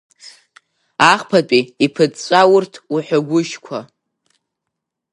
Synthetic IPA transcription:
aχpʰat͡pʼiipʰɨt͡st͡ʃʷʼawʊrtʰuħʷᶣaɡʷʊʃkʷʰa

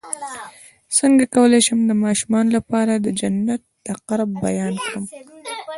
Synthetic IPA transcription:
səŋɡakawəlejʃəmd̪əmɑʃumɑnlapɑɾad̪əd͡ʒanːat̪̚d̪̥əqaɾbbajɑnkɽəm

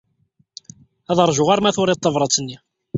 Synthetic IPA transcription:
æðəɾˤʒʊʁaɾmæθʊɾˤɪt̪ˤːɑvɾˤɑt͡sːənːi

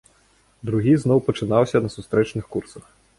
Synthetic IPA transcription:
d̪ɾʊɦiznɔwpɔt͡ʃɪnɑwsʲɐnɐsʊst̪ɾɛt͡ʃnɪxkursɐx

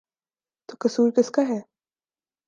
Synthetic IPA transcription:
t̪okɐsuːɾkɪskaɦɛː

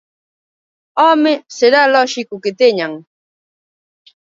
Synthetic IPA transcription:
ɔmɪseɾalɔʃɪkʊkɪt̪ɪɲaŋ

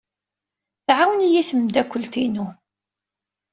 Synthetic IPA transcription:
θʕawənijiθəmd̪ækʷːəlt̪inu

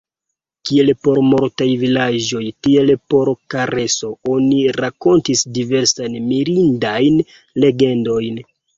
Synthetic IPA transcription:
kie̞lpo̞ɾmo̞ɾtajvilad͡ʒo̞jtie̞lpo̞ɾkaɾe̞so̞o̞niɾako̞ntisdive̞ɾsanmiɾindajn | le̞ɡe̞ndo̞jn

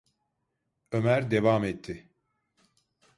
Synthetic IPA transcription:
ømæɾd̪evaːmɛt̪ʰːɪ

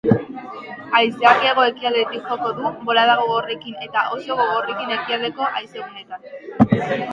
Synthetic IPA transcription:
ajsakieɣ̞o̞e̞kiald̪et̪ikxo̞ko̞ðubo̞laðaɣo̞ɣo̞re̞kine̞t̪aʔo̞so̞ɣo̞ɣ̞ore̞kine̞kiald̪e̞ko̞ʔajse̞ɣune̞t̪an

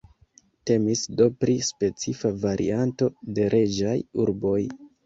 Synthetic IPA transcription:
te̞misdo̞pɾispe̞t͡sifavaɾʔḭanto̞de̞ɾʔe̞d͡ʒajuɾbo̞j

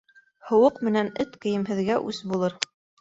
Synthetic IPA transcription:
hŏwɤqmɘ̆nænɘt̪kɘ̆jɘ̆mɦɘ̆ðɡæʔʉsbulˠɤɾ

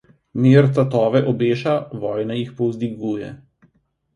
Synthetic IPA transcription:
miɾt̪at̪ɔːʋɛʔɔbeːʃaʋɔːjnajixpɔwzd̪iɡuːjɛ̰

